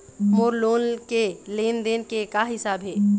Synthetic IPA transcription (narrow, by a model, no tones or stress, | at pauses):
moːɾloːnkeleːnd̪eːnkekaɦɪsaːbɦeː